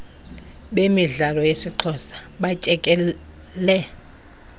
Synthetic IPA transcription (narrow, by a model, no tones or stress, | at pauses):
ɓemiɮalɔjesiǃʰɔsḁɓat͡ʃʼɛkʼɛ | lɛ